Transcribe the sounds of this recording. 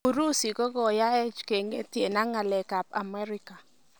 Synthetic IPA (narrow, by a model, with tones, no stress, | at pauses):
u˨ɾu˦si˨ɡɔ˦ɡɔ˨ja˦ɛ˦t͡ʃke˨ŋɡe˦tje˨na˦ŋa˨lɛ˨ka˨pa̰˨mɛ˦ɾɪ˦ka˨